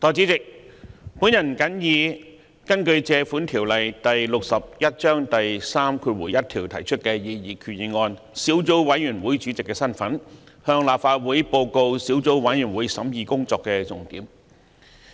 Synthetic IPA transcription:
t̪ɔː˨˩t͡si˨˥t͡sɪ˨k̚pu˨˥njɐ˨˩nkɐ˨˥njiː˨˧ | kɐ˥nkɵ˧ɥt͡sɛː˧fuː˨˥nt̪ʰiː˨˩wlɐ˨jt̪ɐ˨jlʊ˨k̚sɐ˨p̚jɐ˥t̚t͡ʃœː˥ŋt̪ɐ˨jsaː˥mkʰuː˧t̚wuː˨˩jɐ˥t̚t̪ʰiː˨˩wt̪ʰɐ˨˩jt͡ʃʰɵ˥t̚kɛː˧jiː˧jiː˨˩kʰyː˨˩ji˨˧ŋɔː˧n | siː˨˥wt͡so˨˥wwɐ˨˥jjyː˨˩nwuː˨˥jt͡sy˨˥t͡sɪ˨kːɛː˧sɐ˥nfɐ˨˥n | hœː˧ŋlaː˨p̚faː˧t̚wuː˨˥jpo˧wko˧wsiː˨˥wt͡so˨˥wwɐ˨˧˥jyː˨˩nwuː˨˥jsɐ˨˥mjiː˨kʊ˥ŋt͡sɔː˧kːɛː˧t͡sʊ˨˩ŋt̪iː˨˥m

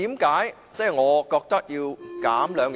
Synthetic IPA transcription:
iː˨˥mkaː˨˥j | t͡sɛː˥˩jŋɔː˨˧kɔː˧k̚t̪ɐ˥k̚jiː˧wkaː˨˥mlœː˨˧ŋj

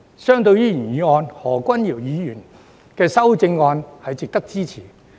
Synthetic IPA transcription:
sœː˥ŋt̪ɵ˧ɥjiː˥jyː˨˩njiː˨˧ŋɔː˧nhɔː˨˩kʷɐ˥njiː˨˩wjiː˨˧jyː˨˩n | kɛː˧sɐ˥wt͡sɪ˧ŋːɔː˧nhɐ˨jt͡sɪ˨k̚t̪ɐ˥k̚t͡siː˥t͡sʰiː˨˩

